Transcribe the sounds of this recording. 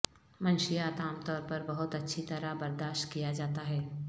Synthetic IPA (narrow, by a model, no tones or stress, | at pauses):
mɐ̃nʃijaːt̪aːmt̪ɔːɾpɐɾbɐɦʊt̪ɐtːʃʰit̪ɐɾabɐɾd̪aːʃt̪kijad͡ʒaːt̪aɦɛː